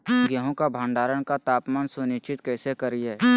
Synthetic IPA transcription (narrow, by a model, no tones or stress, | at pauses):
ɡjəɦõkabʱãːɳɖaːɾəɽkat̪aːpmaːnsʊnɪʃt͡ʃɪt̪kɛːsekəɾiɦɛː